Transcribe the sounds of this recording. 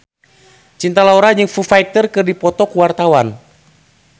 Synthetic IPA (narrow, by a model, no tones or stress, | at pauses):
t͡ʃint̪alauɾad͡ʒɨŋfufajk̚t̪ərkɨrdipɔt̪ɔkuwart̪awan